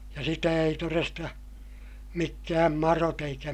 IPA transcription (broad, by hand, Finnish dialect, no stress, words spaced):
jɑ sitæ ei torestɑ mikːæːm mɑrot eikæ